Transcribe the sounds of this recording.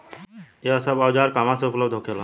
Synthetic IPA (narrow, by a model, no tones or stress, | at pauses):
esəbawd͡ʒaːɾkamãseʊpləbd̪ʱɦokʰela